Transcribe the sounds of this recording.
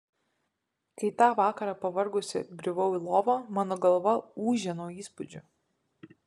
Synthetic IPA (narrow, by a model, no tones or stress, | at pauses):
kɐɪt̪ɑːʋɑːkɐɾɑːpɐʋɐɾɡʊsʲɪ̰ɡɾʲʊʋɐʊilˠoːʋoːmɑːnoːɡɐlˠʋɐuːʒʲɛnoːiːspʊd͡ʒʲʊ